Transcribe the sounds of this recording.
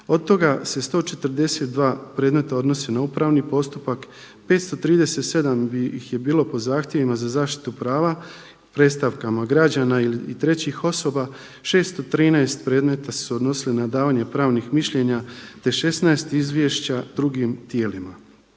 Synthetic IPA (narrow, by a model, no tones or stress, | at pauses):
o̞d̪̚t̪o̞ɡase̞st̪o̞ːt͡ʃe̞t̪əɾd̪e̞se̞t̪̚d̪ʋaːpɾe̞ːd̪me̞t̪ao̞d̪no̞senauːpɾaːʋnipo̞st̪upak | pe̞ːt̪st̪ot̪ɾiːd̪e̞se̞t̪se̞d̪ambiixje̞biːlo̞po̞zaːxt̪je̞ʋimazazaːʃt̪i̥t̪upɾaːʋa | pɾe̞t̪st̪aʋkamaɡɾad͡ʑanailiit̪ɾe̞t͡ɕixo̞so̞ba | ʃe̞ːst̪ot̪ɾiːnaest̪pɾe̞ːd̪me̞t̪asuod̪no̞silinad̪aːʋaːɲe̞pɾaːʋnixmiʃʎe̞ɲat̪e̞ʃe̞snaest̪izʋje̞ʃt͡ɕad̪ɾuɡimt̪je̞ːlima